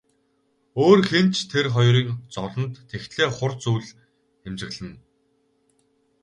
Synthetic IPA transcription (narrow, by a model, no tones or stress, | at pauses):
oːrxent͡ɕt̪ʰerχɔjriːkt͡sɔɮɞ̆nt̪ʰːext̪ɮeːχʊrt͡suːɮ | xemt͡ɕɪ̆ɣɮɘ̆n